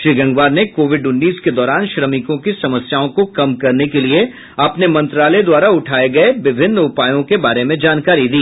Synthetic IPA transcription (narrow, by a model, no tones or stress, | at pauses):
ʃɾiɡɐ̃ŋɡʋaːɾnekoːʋɪɖʊnːiːsked̪ɔːɾaːnʃɾɐmɪkõkisɐməsjaːõkokɐmkɐɾnekelie | ɐpnemɐ̃nt̪ɾaːled̪waːɾaʊʈʰaːeɡɐeʋɪbʱɪnːʊpaːjõkebaːɾemẽd͡ʒaːnkaːɾid̪iː